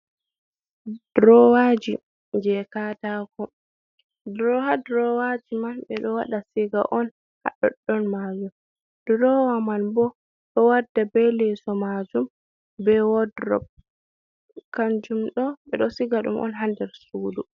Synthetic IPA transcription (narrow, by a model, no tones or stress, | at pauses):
d̥ɾɔwad͡ʒi | ɲd͡ʒɛkatakɔ | dɾɔhadɾɔwad͡ʒimanɓɛɗɔwaɗasɛɡa̰ʔɔn | ha̰ɗɔ̰ɗːɔnmad͡ʒum | d̥ɾɔwamanbɔ | ɗɔwadːabɛlɛsɔmad͡ʒum | bɛwɔdɾɔ̰b̚ | kaɲd͡ʒumɗɔɓɛɗɔsiɡaɗṵmʔɔ̰nɦandɛɾsuːdu